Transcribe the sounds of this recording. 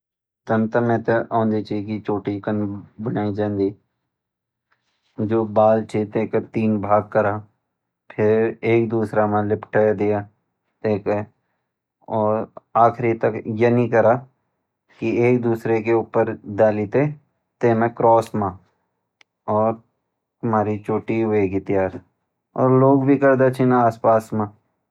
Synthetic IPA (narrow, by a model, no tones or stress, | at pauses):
t̪ənt̪əmẽt̪ɐʔõːnd̪it͡ʃiːkit͡ʃoːʈikənbənaːid͡ʒãːnd̪iː | d͡ʒoːbaːlt͡ʃʰit̪eːkət̪iːnbʱaːɡ̚kəɾa | pʰɪɾeːk̚d̪uːsɾamãlɪpʰʈəd̪ɪjaː | t̪eːke | ɔːɾaːxɾit̪ɐkjɐnĩkɐɾa | kieːk̚d̪uːsɾekeuːpəɾd̪aːlit̪e | t̪eːmẽkɾɔːsmã | ɔːɾ | ɐmaːɾit͡ʃoːʈiɦʊeɡit̪ɪjaːɾ | ɔ̰ːɾloːɡbʱikɐɾd̪et͡ʃʰinaaːspaːsmã